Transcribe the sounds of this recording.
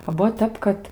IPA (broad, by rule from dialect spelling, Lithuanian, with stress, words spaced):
oː ˈbuɔ ˈtʲɛp kɐt